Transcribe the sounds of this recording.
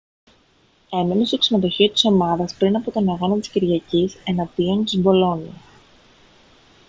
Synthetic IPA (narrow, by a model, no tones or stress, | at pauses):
e̞menest̪oksinoðo̞çiot̪i̥so̞mɐðɐspɾinɐpot̪o̞nɐɣo̞nɐt̪i̥sciɾʝɐcise̞nɐd̪iont̪izbo̞lo̞ni